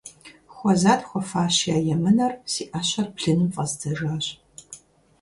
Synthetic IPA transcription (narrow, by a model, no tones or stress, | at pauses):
xʷɔzaːtxʷɔfaːɕjaːjɛmɨnɐrsiːʔaɕɐrpɬɨnɨmfʼɐzdʰɐʐaːɕʼ